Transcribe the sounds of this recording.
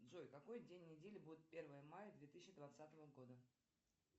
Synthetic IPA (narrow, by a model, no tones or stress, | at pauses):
d̪zojkɐko̞jdʲenʲːɪdʲelʲɪbudʲɪt̪̚pʲe̞rvəjəmajəd̪vʲe̞t̪ɨɕːɪd̪vat̪sat̪əvəɡo̞d̪ə